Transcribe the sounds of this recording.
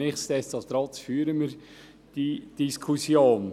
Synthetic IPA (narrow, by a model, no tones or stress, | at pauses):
ɪχstɛstɑt̪ɾɑtfyːəɾəmiɾ | d̥id̥iskʰusjoːn